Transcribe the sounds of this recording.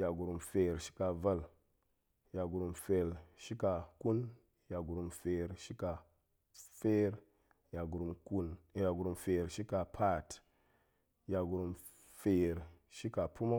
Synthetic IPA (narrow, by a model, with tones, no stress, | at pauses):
ja˨ɡu˨ɾu˨mfe˨ɾʃi̥˦ka˨va˦˨l | ja˨ɡu˨ɾu˨mfe˨lʃi˦ka˨ku˦n | ja˨ɡu˨ɾu˨mfe˨ɾʃi˦ka˨ | fe˦ɾ | ja˨ɡu˨ɾu˨mku˦nja˨ɡu˨ɾu˨mfe˨ɾʃi˦ka˨pʰa˦˨t | ja˨ɡu˨ɾu˨m | fe˨ɾʃi˦ka˨pu˦ma˦